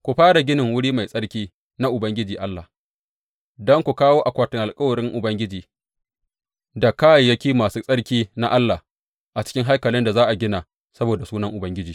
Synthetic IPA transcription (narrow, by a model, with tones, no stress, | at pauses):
kʷu˨ɸaː˦ɽa˨ɡʲɪ˦nɪ˨ŋwʊ˦ɽiː˦ma˨jsʼɐ˦ɽkʲiː˦ | na˦ʔʊ˨bɐ˦ŋɡʲɪ˦d͡ʒiː˨ʔa˦lːa˨ | dɔ˦ŋkʷu˨kaː˦woː˦ʔa˨kʷaː˨tɪ˨ŋʔa˨lkʼɐ˦wɐ˨ɽɪ˦ŋʔʊ˨bɐ˦ŋɡʲɪ˦d͡ʒiː˨ | da˨kaː˦jjɐ˦kʲiː˦maː˨suː˦sʼɐ˦ɽkʲiː˦na̰˦ʔa˦lːaː˨h | ʔa˨t͡ʃɪ̥˦kʲɪ˦ŋɦa˦jkɐ˨lɪ˦nda˨zaː˦ʔa˨ɡʲɪ˦na˨ | sɐ˦boː˨da˨suː˦nɐ˦ŋʔʊ˨bɐ˦ŋɡʲɪ˦d͡ʒiː˨